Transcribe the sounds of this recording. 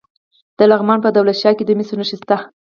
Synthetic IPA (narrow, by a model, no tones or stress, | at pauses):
d̪̥əlaɣmɑnpəd̪awlat̪ʃjɑked̪əmisonaʃist̪a